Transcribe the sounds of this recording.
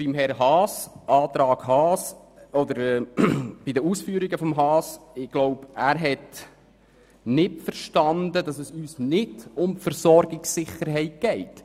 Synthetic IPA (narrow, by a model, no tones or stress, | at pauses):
b̥imɦɛɾɦɑːsɑːt̪ɾɑːɡhɑːs | ɔd̪əɾ | b̥id̪əusfyːɾiɡəfɔmɦɑːsɪɡ̥lɔʊpæːɾɦɛt | nɪtfəɾʃtɑndədɑsɛsyːsnɪdʊmfəɾsɔɾɡɪksːɪχəɾɦɛɪt̚ɡ̥ɛɪt